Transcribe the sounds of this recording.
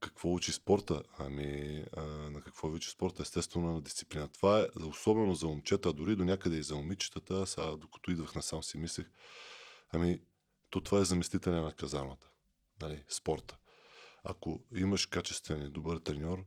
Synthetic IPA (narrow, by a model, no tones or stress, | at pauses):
kɐkvɔut͡ʃispɔɾt̪əɐ̰mi | nɐkɐkvɔvʲut͡ʃi̥spɔɾt̪əɛst̪ɛst̪vɛnonɐd̪ist̪si̥plinət̪ovaɛosɔbɛnozɐomt͡ʃɛt̪əːd̪ʊɾid̪onʲakəd̪ɛizɐomit͡ʃi̥t̪ət̪əsad̪okɐ̥t̪ɔid̪vəxnɐsamsimislɛx | ɐmi | t̪ɔt̪o̥vaɛzɐmɛst̪it̪ɛlɛnɐkɐzanət̪ə̥ | nɐlispɔɾt̪ə̥ | a̰koiməʃkat͡ʃɛ̥st̪vɛnid̪obəɾt̪ɾɛnʲɔɾ